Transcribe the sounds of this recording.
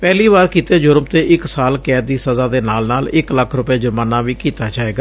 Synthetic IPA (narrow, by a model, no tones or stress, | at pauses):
pɛːliːβaːɾkiːt̪eːd͡ʒʊɾmt̪eːʔɪksaːlkɛːt̪̚d̪iːsəzaːd̪eːnaːlnaːlɪkləkʰɾʊpaːd͡ʒʊɾmaːnaːʋiːkiːt̪aːd͡ʒaːeːɡaː